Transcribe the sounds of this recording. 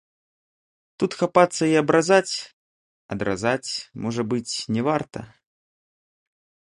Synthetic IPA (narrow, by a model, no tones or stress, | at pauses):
t̪ut̪xapat̪sːɐiɐbɾazat͡sʲ | ɐ̰d̪ɾa̰zat͡sʲmɔʐɐbɨt͡sʲnʲɛvart̪ɐ̰